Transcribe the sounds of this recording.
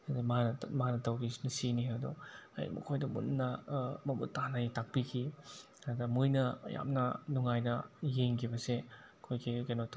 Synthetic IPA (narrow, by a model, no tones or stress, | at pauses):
ɐdimanɐmanɐtɐwɡisnɐsiniɦadṵɐ̰jmɐ̰kʰojdɐmṵnːɐmɐmṵtːanajitak̚pikʰi | adɐmujnɐja̰mnɐnuŋajnɐjeŋkʰibɐse | kʰojkikajnot